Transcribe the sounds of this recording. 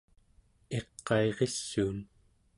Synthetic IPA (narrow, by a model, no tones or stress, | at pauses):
e̞qːɑeʁesːuːn